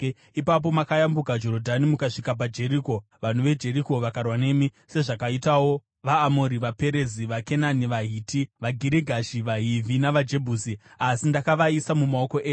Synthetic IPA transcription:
ipap̬o̞makajambukad͡ʒo̞ɾodʱanimukaʂikap̬ad͡ʒe̞ɾiːko̞ | ʋan̤uʋe̞d͡ʒe̞ɾiko̞ʋakarwane̞mi | se̞ʐakaitawo̞ | ʋaːmo̞ɾiʋape̞ɾe̞ziʋake̞naniʋaɦiːtiʋaɡʱiɾiɡʱaʃiʋaɦivʱinaʋad͡ʒe̞bʱuːsiasindakaʋaisamumao̞ko̞ʔeː

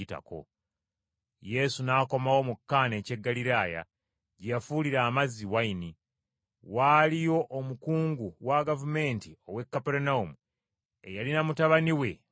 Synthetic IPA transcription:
ita̰ko̞̰ | je̞sunaːko̞mawo̞mukːaːne̞ːce̞ɡːaliɾaːja̰ | ɟejafuliɾaːmaziwaini | walijo̞ʔːmukuːŋɡuwaɡavume̞ːntio̞we̞kːapeɾunaumu | ejalinamutaβaniwe̞

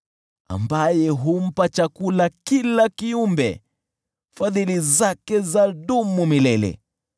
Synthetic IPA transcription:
a̰mbajɛɦum̩pat͡ʃakulakilakiumbɛ̰ | faðilizakɛzaɗumumilɛlɛ̰

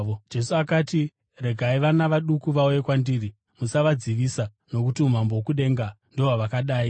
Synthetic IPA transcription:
od͡ʒe̞suakaːti | re̞ɡʱaiʋanaʋaɗukuʋauje̞kwandiːri | musaʋad͡ziʋiːsa | no̞kutium̤ambowokuɗe̞ŋɡa | ndoɦaʋakaɗaːi

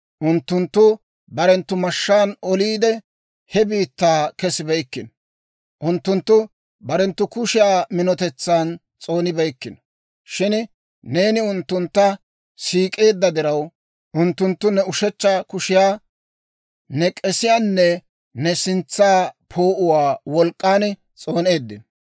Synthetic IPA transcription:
ʔʊnt̪ːʊnt̪ːʊ | bɐɾɛnt̪ːʊmɐʃːaːnɔliːd̪ɛ | hɛbiːt̪ːaːkɛsɪbɛjkːɪnɔ | ʔʊnt̪ːʊnt̪ːʊ | bɐɾɛnt̪ːʊkʊʃɪjaːmɪnɔt̪ɛt͡sːaːn | t͡sʼo̞ːnɪbɛjkːɪnɔ̥ | ʃɪn | ne̞ːnɪʊnt̪ːʊnt̪ːɐ | siːkʼe̞ːd̪ːɐd̪ɪɾɐw | ʔʊnt̪ːʊnt̪ːʊnɛʊʃɛt͡ʃːɐkʊʃɪjaː | nɛkʼɛsɪjaːnːɛ | nɛsɪnt͡sːaːpʰo̞ːʔʊwaːwɔlkʼːaːn | t͡sʼo̞ːne̞ːd̪ːɪn

